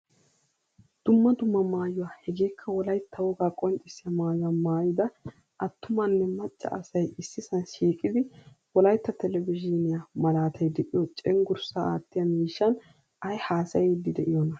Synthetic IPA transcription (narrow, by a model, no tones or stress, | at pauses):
d̪̥ʊmːɐd̪ʊmːɐmaːjʊwaːhɛɡeːkʰːɐwɔlɐjt̪ʰːɐwɔɡaːkʼɔnt͡ʃʼɪsɪjɐmaːjamaːjɪd̪ɐ | ʔɐt̪ːʊmɐnːɛmɐt͡ʃʼːɐ̰ʔɐsɐjɪsːɪsɐnʃiːkʼɪd̪ɪ | wɔlɐjt̪ːɐt̪ɛlɛvɪd͡ʒɪnɪjamɐlaːt̪ʰɐjd̪ɛʔʼɪjɔt͡ʃʼɛŋɡʊɾsaa̰ːt̪ːɪjɐmiːʃːɐn | ɐjhaːsɐjɛd̪ɪd̪ɛʔɪjɔnɐ